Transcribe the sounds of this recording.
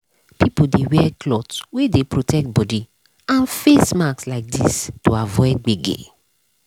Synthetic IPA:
pʰipodewɛklɔtwedepɹotʰɛk̚t̚bɔdi | ãnfesmakslaɪk̚distoavɔɪt̚ɡ͡beɡḛ

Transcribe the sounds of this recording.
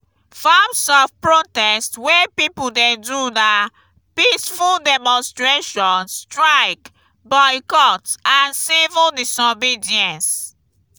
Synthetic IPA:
famsɔfpɹotɛstwepipuldɛduna | pisfuldɛmɔ̃nstɹeʃɔ̃nstɹaɪk | bɔɪkɔtãnsivəldisɔbidiɛ̃ns

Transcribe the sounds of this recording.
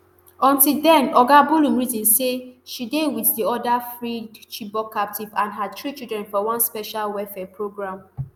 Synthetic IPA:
ɔ̃ntildɛ̃nɔɡabulũmɹizĩnseʃidewiθdiɔdafɹidt͡ʃibɔkʰːap̚tʰivãnɦatɹit͡ʃildɹɛ̃nfɔwɔ̃nspɛʃalwɛfɛpʰɹoɡɹãm

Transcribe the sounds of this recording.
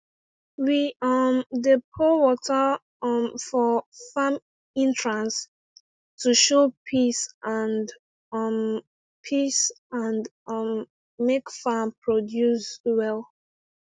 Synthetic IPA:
wiʌmdepʰɔwɔtə | mfɔfam | ĩntɹãns | tʰuʃopʰisʔãnd | m | pʰis | ãn | mː | ekfãmpʰɹodjuswɛlˠ

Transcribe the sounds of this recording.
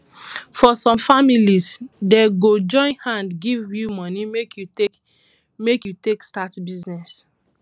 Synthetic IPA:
fɔsɔ̃mfamilisdɛɡod͡ʒɔ̃ɪ̃nhãndɡivjumɔnimekju | mekjutekstatbiznɛs

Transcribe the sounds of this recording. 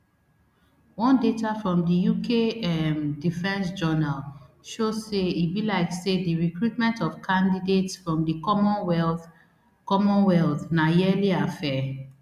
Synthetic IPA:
wɔ̃ndetafɹɔ̃mdəjukʰeɛmdifɛ̃nsd͡ʒɔnal | ʃozseibilaɪksediɹikɹutmɛ̃ntɔv̥kʰãndidetsfɹɔ̃mdimw | kɔmɔ̃nwɛlθnajɛliafɛ

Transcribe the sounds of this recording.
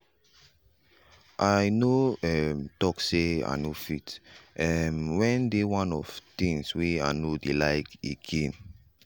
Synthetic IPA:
ʔajnoɛmtɔksea̰nofitʔɛmwɛ̃ndewãnɔ̰ft̪ĩŋswea̰nodelaɪkeɡẽn

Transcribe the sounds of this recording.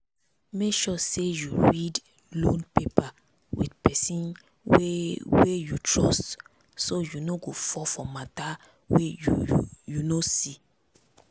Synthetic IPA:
mekʃɔsejuɹid | lõnpepa | wḭdpɛsĩn | wewejutɹɔst | sojunoɡofɔfɔmata | wejujunosi

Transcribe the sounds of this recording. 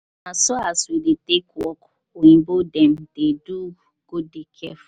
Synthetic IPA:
nãsoaswidetekɔkoĩbodɛ̃md̥edu | ɡ̥udekʰɛ̰f

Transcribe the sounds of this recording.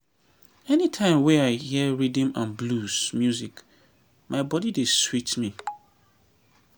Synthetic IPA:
ɛnitʰãɪ̃mwɛaɪhiəɹidə̃mãnblusmjuzik | mãɪbɔdideswit͡ʃmĩ

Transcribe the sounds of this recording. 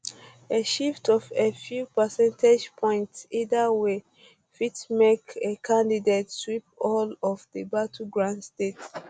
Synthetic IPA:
eʃiftɔvefjupəsɛ̃ntʰed͡ʒpʰɔ̃ɪ̃ntsidawe | fitmekekʰãndidetswip̚ɔlɔfdəbatʰuɡɹãndstet

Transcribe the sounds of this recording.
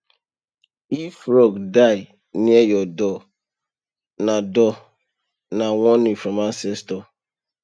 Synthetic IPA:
ifɾɔɡdaɪ | niejɔdɔ | nadɔ | naŋɔnifɾɔmasɛstɔ

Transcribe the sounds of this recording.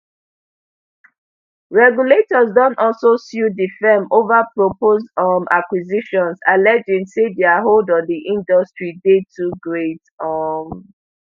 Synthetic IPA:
ɹɛɡjuletɔzdɔ̃ntɔlsosjudifɛmovapɹopozɔmakwiziʃɔ̃nsalɛd͡ʒĩŋsedɛaɦoldɔ̃ndiʔĩndɔstɹidetʰuɡɹet | ɔm

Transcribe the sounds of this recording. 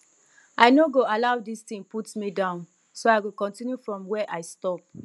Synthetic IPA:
aɪnoɡoalaʊdistĩŋputmidãʊ̃n | soaɪɡokɔ̃ntĩnjufɹɔ̃mwɛʔaɪstɔp̚

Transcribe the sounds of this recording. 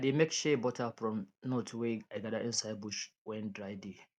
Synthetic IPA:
demekʃɛbɔtʰafɹɔ̃mnɔtʰweaɪɡadaʔɪ̃nsaɪbuʃwɛ̃ndɹaɪde

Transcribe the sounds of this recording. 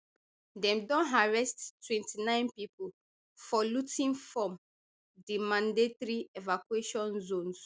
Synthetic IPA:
dɛ̃mdɔ̃nɦaɹɛsttːwɛ̃ntinãɪ̃npipu | fɔlutĩnfɹɔ̃m | dimãndetɹievakweʃɔ̃nzõns

